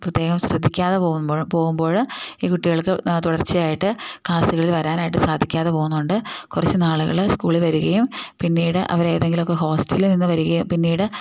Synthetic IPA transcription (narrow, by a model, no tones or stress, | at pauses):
prɐt̪ːjeːɣɐmɕrɐd̪ʱːikʲːaːðepoːpo̞ːɣumbo̞ːɻiːkuʈːiɣɐɭkɨt̪uɽɐrt͡ɕːɨjaːjiʈːɨkɭaːsuɣɐɭilʋɐɾaːnaːjiʈ̬ːɨsaːd̪ʱikʲːaːðepo̞ːɣunːɐuɳɖɨkurɐt͡ɕːɨnaːɭuɣɐ̰ɭskuːɭiʋɐɾuɣɐjumpinːiːɽɨʔɐ̰ʋɐɾe̞ːðe̞ŋɡilokːeɦo̞ːstɐlininːɨʋɐɾuɣɐjumpinːiːɽɨ